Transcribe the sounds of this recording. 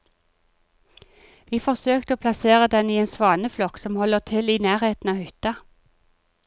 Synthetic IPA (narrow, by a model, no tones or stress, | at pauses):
ʋiːfɔʁsøːkt̪əoːpʰlɑseːʁəd̪ɛniːeːnsʋɑːnəflɔksɔmhɔləʁt̪ʰɪliːnæːʁheːt̪n̩ɑːhʏt̪ɑ